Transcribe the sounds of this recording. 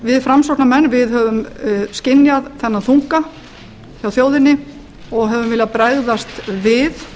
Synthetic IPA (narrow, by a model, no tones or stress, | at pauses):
vɪðfɾamsowknamɛnːvɪðɦœvʏmskcɪnjaðθɛnːaθuŋ̥ka | θjawθjoːwðɪnːɪ | ɔɣɦœvʏmvɪːlɪapɾaːjðast̪vɪð